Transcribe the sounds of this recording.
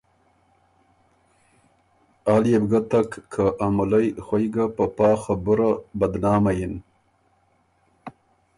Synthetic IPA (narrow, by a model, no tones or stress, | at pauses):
aːljebɡat̪akːʰaʔamulajxwajɡapapɑːxabʊɾabad̪nɑːmajin